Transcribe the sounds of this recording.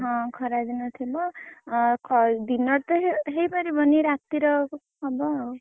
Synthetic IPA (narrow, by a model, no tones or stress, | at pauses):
ɦʌ̃kʰʌɾad͡zinʌt̪ʰebʌ | kʰʌd̪inʌɾt̪ʌɦɦejbaɾibʱʌniɾat̪ːiɾʌ | ʌbʌ